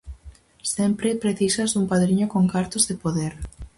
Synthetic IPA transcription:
sempɾɪpɾeθisɐzðuŋpaðɾiɲokoŋkaɾt̪ozðepoðeɾ

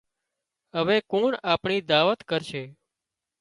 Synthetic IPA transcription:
ɦəʋekoɳapɳid̪aːʋət̪kəɾʃʰe

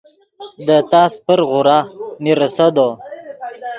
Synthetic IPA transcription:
d̪ət̪ɑːspəɾɣuɾɑmiɾəsɐd̪o

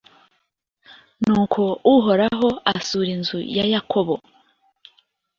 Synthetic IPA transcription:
nuːkʰo̞uɦo̞ɾaɦo̞asuɾinzujajakʰo̞βo̞

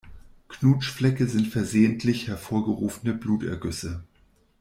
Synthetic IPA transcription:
kʰnuːt͡ʃflɛkəzɪntfɛɐzeːəntʰlɪçhɛɐfoːɐɡəʁuːfnəbluːtɛ̰ɐɡʏsə

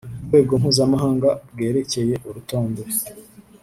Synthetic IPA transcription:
uɾɡwe̞ːɡo̞mhuːzamaɦaːŋɡab̚ɡe̞ːɾe̞ce̞je̞ʔuɾuto̞ːndo

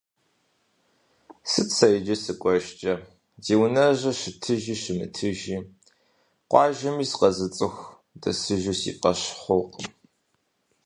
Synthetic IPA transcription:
sɨt͡sʰɐjd͡ʒɐsɨkʷʼɔʒt͡ʃʼɐ | ziːwnɐʒɐʃɪtʰɨʒiːʃɪmɨ̰tʰɨʒiː | qʷɑːʒɐmiːsqɐzɨt͡sʼɨxʷ | dɐ̰sɨʒʊsḭːqʼɐɕχʷoq

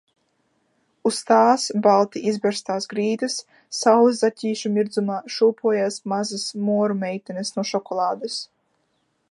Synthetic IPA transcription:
ust̪aːsbalˠt̪iʔizbʲɛɾst̪aːsɡɾiːd̪ɨsː | awzacʲiːʃumʲiɾd̪zumaːʃuːpuɔjaːsmazasmuɔɾumʲɛjt̪ɛnɨsnuɔʃɔkɔlˠaːd̪ɨs

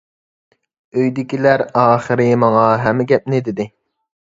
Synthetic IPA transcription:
øjd̪ɪkʲilæɾɑːχəɾɪmɑŋɑɦɛmːɪɡʲɛp̚nɪd̪ɪd̪ɪ

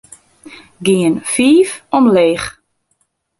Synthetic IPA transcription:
ɡiənfiːfɔmleːx

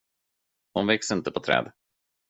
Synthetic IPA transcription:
hʊnvɛksɪnt̪əpʰɔt̪ʰɾɛ̰ːd̪

